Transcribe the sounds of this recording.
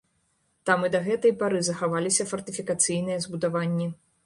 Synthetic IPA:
t̪amɨd̪ɐɣɛt̪ɐjpaɾɨzɐxavalʲisʲɐfɐrt̪ɨfʲikat̪sɨjn̪ɨjɐzbud̪avanʲːi

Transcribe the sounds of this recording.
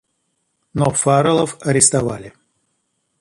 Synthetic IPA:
nofaɾəlˠəfɐɾʲɪst̪ava̰lʲɪ

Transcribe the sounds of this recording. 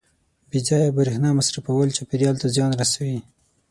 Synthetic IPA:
bid͡ʒɑjabaɾehnɑmasɾafawəlt͡ʃepiɾjɑlt̪azjɑnɾasawi

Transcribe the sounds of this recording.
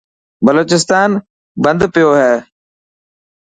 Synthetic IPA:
bəloːt͡ʃɪst̪aːn | bə̃nd̪pɪjoːɦɛː

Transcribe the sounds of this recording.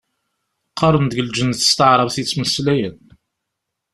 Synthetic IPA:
qːɑɾˤənd̪əɡəld͡ʒənθə̥st̪əʕɾˤəvθit͡sːməslæjən

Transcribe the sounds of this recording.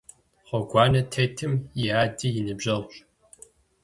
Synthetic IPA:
χʷɔɡʷɑːnɐtʰetʰɨmjɪaːdijɪnɨbʒʑɐʁʷɕ

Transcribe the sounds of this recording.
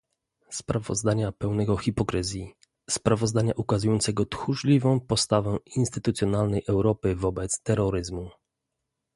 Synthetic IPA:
spɾavɔ̰zd̪aɲapɛwnɛɡɔxʲipɔkɾɘzʲji | spɾavɔzd̪aɲaʔukazujɔnt̪sɛɡɔt̪xuʐlʲivɔ̃w̃pɔst̪avɛinst̪ɘt̪ut̪sʲjɔnalnɛjʔɛwɾɔpɘvɔbɛt̪st̪ɛɾɔɾɘzmu

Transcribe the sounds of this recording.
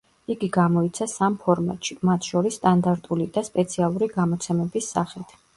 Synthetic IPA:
iɡiɡamɔit̪sʰasampʰɔɾma̰t̪ʼʃimat̪ʰʃɔɾisːt̪ʼand̪aɾt̪ʼulid̪aspʼɛt̪sʰialˠuɾiɡamɔt̪sʰɛmɛbisːaχit̪ʰ

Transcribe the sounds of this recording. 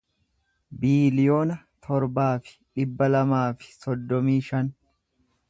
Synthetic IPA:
biːlɪjo̞ːnɐ | t̪ʰɔɾbaːfɪ̥ᶑɪbːɐlɐmaːfɪ̥sɔd̪ːɔmiːʃɐn

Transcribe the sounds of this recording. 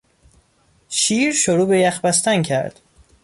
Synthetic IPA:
ʃiːɾʃoɾuːbejæxbæst̪æncʰæ̰ɾd̪̥

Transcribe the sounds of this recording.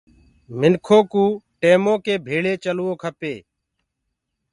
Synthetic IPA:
mɪnkʰoːkũːʈeːmõːkeːbʱeːɭeːt͡ʃəlʊoːkʰəpeː

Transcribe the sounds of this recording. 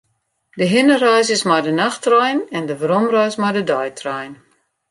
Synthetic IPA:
dəɦɪnərœjsɪsmajdənaxtrɔjnɛndəvɾɔmrœjsmajdədɔjtʰrɔjn

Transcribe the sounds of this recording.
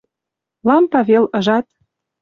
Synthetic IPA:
lɑmpɑβelɤ̆ʒɑt̪̚

